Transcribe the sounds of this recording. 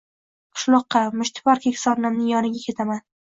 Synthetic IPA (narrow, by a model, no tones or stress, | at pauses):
qʰɨ̥ʃlˠɒqːɑmʊʃt̪ʰɪ̥pɒɾkʲʰekʲsɒɾnamnɪjɒnɪɡʲakʲʰe̞t̪ʰaman